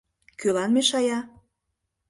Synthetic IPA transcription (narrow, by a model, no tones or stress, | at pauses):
kylɑnmeʃɑjɑ